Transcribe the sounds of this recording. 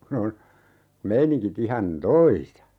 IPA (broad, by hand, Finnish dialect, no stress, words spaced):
kun on meiniŋkit ihɑn toisɑ